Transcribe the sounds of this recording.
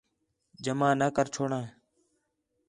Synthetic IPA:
d͡ʒəmãːnəːkəɾt͡ʃʰoːɳãː

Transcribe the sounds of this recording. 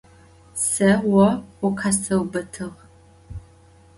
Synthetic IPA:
sɐwɐʊqʰasɐwbɐtʰɨʁ

